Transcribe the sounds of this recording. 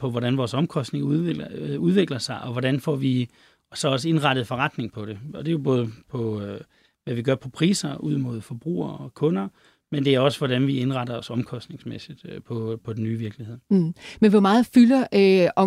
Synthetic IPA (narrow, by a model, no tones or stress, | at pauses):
pʰɒ̽ʋɒɾænʋɒːsɒ̽mkʰɒ̽sd̥ne̝ŋueuð̞ˠʋe̝ɡ̥lɐsɑ̈ɪʔɒ̽ʋɒɾænfɒ̰ʋi | sɒ̽ɒ̽s̬əe̝nʁɑ̈ɾ̥ð̞̩ˠfɒ̽ʁɑ̈d̥ne̝ŋpʰɒ̽ɾ̥e̝ɒ̽d̥e̝jo̝b̥ɔːð̞ˠəpʰɒ̽ | ʋæʋiɡ̥ɶɐpʰɒ̽pʰʁḭːsɐʔuð̞̰ˠmo̝ð̞ˠfɒb̥ʁṵːɐ̰ɒkʰɔ̽nɐ | mend̥e̝æɐɒ̽səʋɒɾænʋie̝nʁɑ̈ɾɐɒ̽sɒ̽mkʰɒ̽sd̥ne̝ŋsmḛsid̥pʰɒ̽pʰɒ̽d̥enːyːʋiɐɡ̥lihe̝ð̰ˠmenʋɒmɑ̈ːð̩ˠfylɐʔøɒ̽